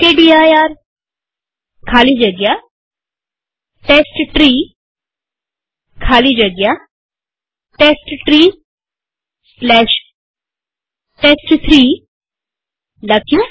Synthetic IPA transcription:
keːɖiːaːjaːɾ | kʰaːliːd͡ʒəɡjaː | ʈɛeːsʈʈɾiː | kʰaːliːd͡ʒəɡjaː | ʈɛːsʈʈɾiː | slɛːʃ | ʈɛːsʈt̪ʰɾiː | ləkʰjõ

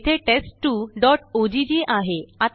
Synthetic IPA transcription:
t̪ʰeʈesʈʈːuɖɔʈod͡ʑid͡ʑiʔaɦeat̪

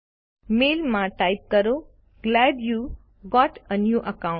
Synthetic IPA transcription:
meːlmãʈajp̚kəɾo | ɡlæɖju | ɡɔʈənjuːʔəkãʊ̃

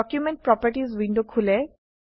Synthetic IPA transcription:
ɔkjumẽɳʈ̚pɹɔpəɾʈizʋiɳɖukʰule

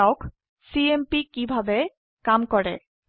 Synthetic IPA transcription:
ʊk | siempikibʱabɛ | kamkɔɹɛ̰

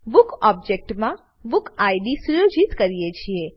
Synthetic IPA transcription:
ʋukɔb̚d͡ʒek̚ʈmã | bukaiɖisujod͡ʒit̪kəɾijet͡ʃʰie

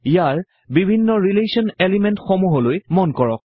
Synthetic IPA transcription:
ijaɹ | bibʱinːɔɹilesiɔnelimɛntxɔmuɦɔlojmɔnkɔɹɔ̰k̚

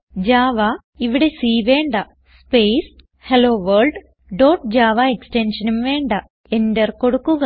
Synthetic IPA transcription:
d͡ʑaːʋɐ | iʋiɽesiːʋe̞ːɳɖɐ | speːs | heloːʋɐrɭɖ | ɖoːʈ̚d͡ʑaːʋɐeksʈenʂɐnumʋe̞ːɳɖɐ | e̞ndɐrko̞ɽukːuɣɐ

